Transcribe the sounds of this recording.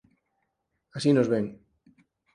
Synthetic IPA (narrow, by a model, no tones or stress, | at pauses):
asinozβeŋ